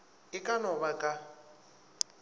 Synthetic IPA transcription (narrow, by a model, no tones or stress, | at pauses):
ɪkʼanɔβakʼa